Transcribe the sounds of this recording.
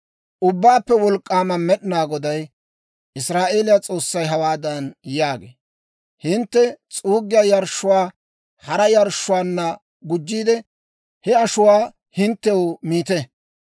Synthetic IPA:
ʔʊbːaːpːɛwɔlkʼːaːmɐmɛɗɪnaːɡɔd̪ɐj | ʔɪsɾaːʔe̞ːlɪjat͡sʼo̞ːsːɐjɦɐwaːd̪ɐnjaːɡḛː | hɪnt̪ːɛt͡sʼuːɡɪjaːjɐɾʃːʊwaː | hɐɾɐjɐɾʃːʊwaːnːɐ | ɡʊd͡ʒːiːd̪ɛ | hɛɐʃʊwaː | hɪnt̪ːɛwʊmiːt̪ɛ

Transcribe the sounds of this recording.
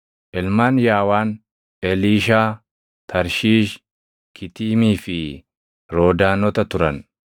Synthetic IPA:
ʔɛlmaːnjaːwaːn | ɛliːʃaː | t̪ʰɐɾʃiːʃ | kʰɪt̪iːmiːfɪ | ɾo̞ːd̪aːnɔt̪ɐt̪ʊɾɐn

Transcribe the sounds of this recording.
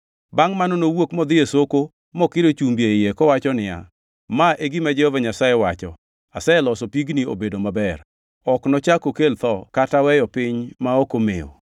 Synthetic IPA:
baŋmanɔnowokmɔd̪ɪjesoko | mɔkɪɾot͡ʃumbjeɪjekɔwat͡ʃɔnɪja̰ | maʔeɡimɛd͡ʒɛhovɛɲasajewat͡ʃɔ̰ | asɛelɔsopiɡnio̰bedomabɛr | ɔknɔt͡ʃakokelt̪ɔkatawɛjɔpɪɲmaokomḛo̰

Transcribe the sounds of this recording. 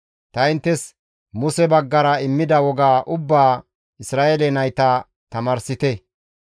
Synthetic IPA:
t̪ɐɪnt̪ːɛs | mʊsɛbɐɡːɐɾɐɪmːɪd̪ɐwɔɡaːʔʊbːaː | ɪsɾaːʔelɛnɐjt̪ɐ | t̪ɐmɐɾsɪt̪ɛ

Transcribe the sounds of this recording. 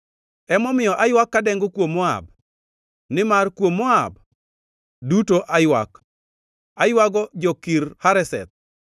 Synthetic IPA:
ɛmɔmɪjɔʔajwakːadɛŋɡokwomːɔa̰b | nɪmarkwomːɔab | dutoʔajwa̰k | ajwaɡɔd͡ʒɔkiɾhaɾɛsɛ̰t̪̚

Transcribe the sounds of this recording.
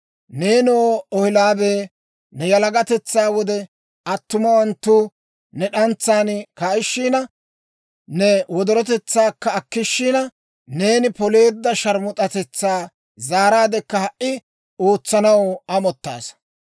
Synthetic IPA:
ne̞ːnoːɔhɪlaːbeː | nɛjɐlɐɡɐt̪ɛt͡sːaːwɔd̪ɛ | ʔɐt̪ːʊmɐwɐnt̪ːuː | nɛɗɐnt͡sːaːnkaːɪʃːiːnɐ | nɛwɔd̪ɔɾɔt̪ɛt͡sːaːkːɐːkːɪʃːiːnɐ | ne̞ːnɪpɔle̞ːd̪ːɐʃɐɾmʊt̪ʼɐt̪ɛt͡sːaː | zaːɾaːd̪ɛkːɐhɐʔʔɪ | oːt͡sːɐnɐwɐmɔt̪ːa̰ːs

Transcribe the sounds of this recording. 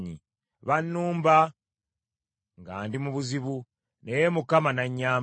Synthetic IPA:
ɲḭ | βanːuːmba | ŋɡaːndimuβuziβu | nejemukamanaɲːaː

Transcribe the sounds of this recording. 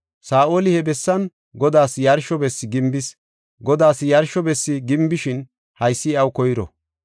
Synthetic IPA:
saːʔo̞ːlɪhɛbɛsːɐn | ɡɔd̪aːsjɐɾʃɔbɛsːɪɡɪmbɪs | ɡɔd̪aːsjɐɾʃɔbɛsːɪɡɪmbɪʃɪn | hɐjsːɪɐwkɔjɾɔ̰

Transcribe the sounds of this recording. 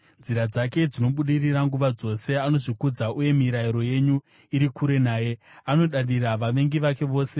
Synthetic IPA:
nd͡ziɾad͡zake̞d͡zino̞ɓuɗiriraŋɡuʋad͡zo̞se̞ano̞ʐikud͡zaʔuje̞miɾaiɾo̞je̞ɲu | iɾikuɾe̞naːje̞ano̞ɗaɗiraʋaʋe̞ŋɡiʋake̞ʋo̞ːse̞

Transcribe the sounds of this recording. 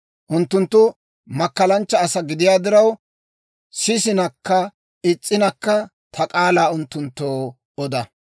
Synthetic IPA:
ʔʊnt̪ːʊnt̪ːʊ | mɐkːɐlɐnt͡ʃːɐːsɐɡɪd̪ɪjaːd̪ɪɾɐw | sɪsɪnɐkːɐ | ɪt͡sʼːɪnɐkːɐ | t̪ʰɐkʼaːlaːʊnt̪ːʊnt̪ːoː | ɔd̪ɐ

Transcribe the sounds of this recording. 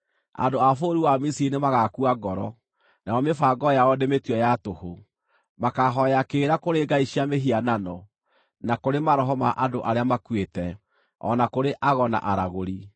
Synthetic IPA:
a̰ndoafoɾiwamisiinemaɣakuaɡɔɾɔ | naɔmefaɡɔjaɔdemetwɔjatoho | makaɦɔjakeːɾakoɾeɡaiɕiameɦiananɔ | nakoɾemaɾɔɦɔmaʔadoʔaɾeamakwetɛ | ɔ̰nakoɾeʔaɣɔna̰ʔaɾaɣoɾi

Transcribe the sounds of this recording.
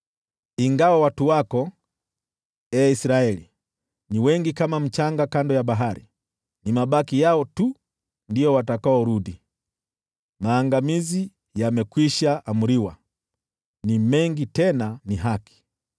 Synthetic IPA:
iŋɡawawatuwakɔ | ɛisɾaɛlḭ | niwɛŋɡikamam̩t͡ʃaŋɡakandɔjaɓaɦaɾḭ | nimaɓakijaɔtu | ndijɔwatakaɔɾuɗi | maːŋɡamizi | jamɛkwiʃaʔamuɾiwa | nimɛŋɡitɛnaniɦaki̥

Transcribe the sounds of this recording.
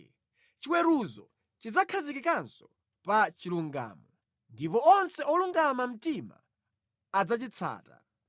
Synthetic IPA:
t͡ʃiwɛɾuzɔ | t͡ʃid͡zakʰazikikansɔ | pat͡ʃiluŋɡa̰ːmɔ | ndipɔɔnsɛɔluŋɡamam̩tima̰ː | d͡zat͡ʃit͡sʰa̰ːta̰

